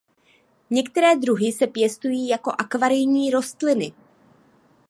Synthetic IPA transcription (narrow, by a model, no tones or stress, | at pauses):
ɲɛkt̪ɛɾɛːd̪ɾuɦɪsɛpjɛst̪ujiːjako̞ʔakvaɾɪjɲiːɾo̞st̪lɪnɪ